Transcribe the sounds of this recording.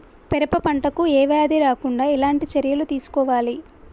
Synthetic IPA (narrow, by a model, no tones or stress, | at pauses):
pɛɾɐpɐpɐɳʈɐkuɛːʋeːɐd̪iɾaːkuɳɖaːilaːɳʈit͡ʃɐɾjɐlut̪iːsu̥kɔːʋaːli